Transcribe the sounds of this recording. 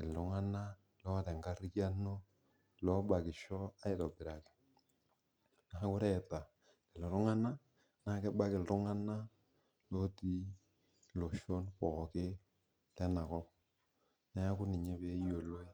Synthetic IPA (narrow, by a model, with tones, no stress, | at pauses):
ɪ˨ldʊ˨ŋa˦na˦ | lɔ˦tɛ˨ŋɡa˦rja˦no˦ | lɔ˦ba˨kɪ˨ʃɔ˦a˦ɪ˨tɔ˨bɪ˨ɾa˨kɪ̥˨ | na˨˦kʊ˦ɾɛ˦˨ta˨ | ɪ˨lɔ˨ɾʊ˦ŋa˦na˦ | na˨˦kɛ˦ba˦kɪ˨ltʊ˦ŋa˦na˦ | lɔ˦ti˦ | lo˨ʃo˦npɔ˨kɪ˦ | lɛ˦na˨kɔ˦ | nɛ˦a˦kʊ˦nɪ˨ɲɛ˦pe˨˦jo˨lo˦i˦